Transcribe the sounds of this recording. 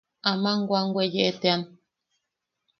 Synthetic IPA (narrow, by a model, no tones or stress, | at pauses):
amãŋɡwaŋɡwejeʔetean